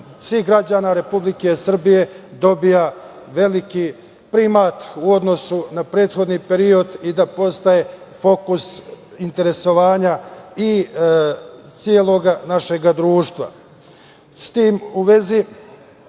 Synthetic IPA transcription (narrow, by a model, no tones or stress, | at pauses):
sʋiɦɡɾad͡ʑaːnaɾe̞publike̞sr̩bije̞d̪o̞bija | ʋe̞liki | pɾimaːt̪uo̞d̪no̞sunapɾe̞ːt̪xo̞d̪niːpe̞ɾio̞d̪id̪apo̞st̪aje̞fo̞kus | int̪e̞ɾe̞so̞ʋaːɲai | t̪sielˠo̞ɡanaʃe̞ɡad̪ɾuːʃt̪ʋa̰ | st̪iːmuʋe̞zi